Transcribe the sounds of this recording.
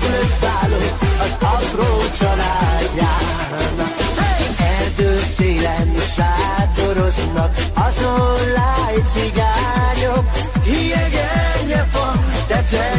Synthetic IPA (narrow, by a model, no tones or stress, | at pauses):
løkvaːloɒzɒpɾoːt͡ʃɒlaːd̪jaː | ɦanɒkɛrd̪øːseːlɛniʃaːt̪oɾoznɒkɒzolajt̪siɡaː | ɲok | hijɛɡɛɲɛvɒn | t̪ɛt̪ɛ